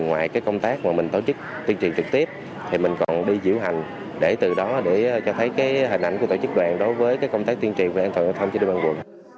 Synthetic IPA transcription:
ŋwaː˨jkaː˨˦jkə˧wŋ͡mt̪aː˦˥k̚maː˨˩mï˨˩ŋ̟t̪o˧˩t͡ɕɨ˦˥k̚ | t̪i˧ənt͡ɕḭ˨nt͡ɕɨ˨˩k̚t̪i˦˥əp̚ | t̪ʰi˨˩mï˨˩ŋ̟kɔ˨˩nɗi˧zḭ˧˥əwɦa˨˩jŋ̟ | ɗe˧˩t̪ɨ˨˩ɗɔ˨˦ɗe˧˩˧t͡ɕɔ˧t̪ʰə˨˦jkaː˨˦jɦi˨˩nʔa˧jŋkət̪o˧˩t͡ɕɨ˦˥k̚ɗwaː˨˩nɗo˨˦jvəː˨˦jkaː˨˦jkə˧wŋ͡mt̪aː˦˥k̚t̪i˧ənt͡ɕḭ˧˨ŋvu˧˩ʔːnt̪waː˨˩˨t̪ʰə˧ŋ͡mt͡ɕɗi˧˩ɓaː˧nwṵ˨˩n

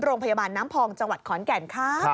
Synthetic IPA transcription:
ɾoː˧ŋpʰa˧jaː˧baː˧nːaː˦˥mpʰɔː˧ŋt͡ɕa˧ŋwa˨˩t̪̚kʰɔː˩˦nkɛː˨˩nkʰaː˦˥˩

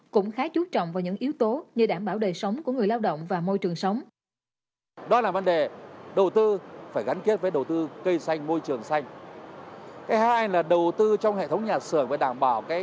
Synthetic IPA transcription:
kʊ̰˧˥ŋ͡mxaː˨˦t͡ɕu˦˥t̚t͡ɕɔ̰˧˨wŋ͡mvaː˨˩wɲɨ̰˧˥ŋʔi˨˦wt̪o˨˦ɲɨ˧ɗaː˧˩mɓaː˧˩wɗəː˨˩sə˨˦wŋ͡mku˧˩əŋɨ˨˩əjlaː˧wɗə̰˧˨wŋ͡mvaː˨˩mo˧jt͡ɕɨ˨˩əŋsə˨˦wŋ͡m | ɗɔ˨˦laː˨˩və˧˦nɗe˨˩ɗə˨˩wt̪ɨ˧faː˧˩jɣa˨˦jnki˦˥ət̚vəː˨˦ɗə˨˩wt̪ɨ˧kə˧jsa˧jŋ̟mo˧jt͡ɕɨ˨˩əŋsa˧jŋ̟ | kaː˨˦jhaː˧jlaː˨˩ɗə˨˩wt̪ɨ˧t͡ɕɔ˧wŋ͡mhḛ˧˨t̪ʰə˨˦wŋ͡mɲaː˨˩sɨ̰˧˩əŋvəː˨˩ɗaː˧˩mɓaː˧˩wkaː˨˦

